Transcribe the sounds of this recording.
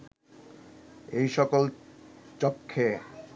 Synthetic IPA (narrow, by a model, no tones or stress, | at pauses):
ejʃɔkolt͡ɕokʰːe